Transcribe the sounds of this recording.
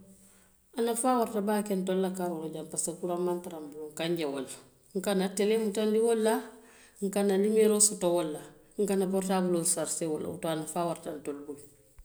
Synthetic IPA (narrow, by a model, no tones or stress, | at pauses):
anafaːwaɾtabaːkentolːakabuloɟampasakuɾammantaɾambuluŋkaɲɟewolːa | ŋkanatelemutanliwɔlːa | ŋ̩kanalimeɾosutowɔlːa | ŋ̩kanabɔɾtaːbulosaɾsewɔlːʔa̰ṵtoanafaːwaɾtantolbuj